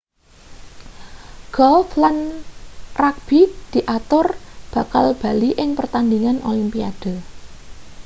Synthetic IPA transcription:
ɡ̥ɔlflan | rak̚b̥id̪̥i̤ʔat̪ʊrb̥a̤kalb̥a̤liʔɪŋpərt̪and̪iŋanʔolimpiad̥o̤

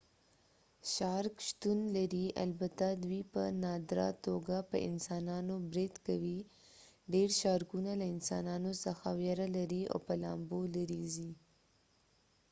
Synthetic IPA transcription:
ʃɑɾkʃt̪unlaɾia̰lbat̪ad̪wipə̰nɑd̪ɾɑ̰t̪oɡapə̰ʔɪ̰nsɑnɑnobɾɪd̪kawi | ɖeɾʃɑɾkunalaɪnsɑ̰nɑnosəxawjaɾalaɾia̰pəlɑ̰mbolaɾizi

